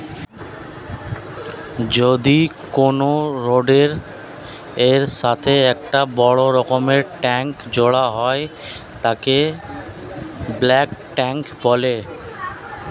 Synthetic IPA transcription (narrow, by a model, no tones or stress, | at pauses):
d͡ʑod̪i | konoɾoɖeɾ | eɾʃat̪ʰeɛk̚ʈabɔɽoɾɔkomeɾʈɛŋkd͡ʑoɽaɦɔe | t̪ake | blɛkʈɛŋkbole